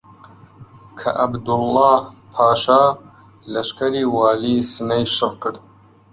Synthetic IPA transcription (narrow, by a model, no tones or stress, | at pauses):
kʰɐ̰ʔɐbd̪ʊlːɑːhpʰɑːʃaː | lɐʃkʰɐɾiːwɑːliːsinɐjʃɨɾkʰɨɽd̪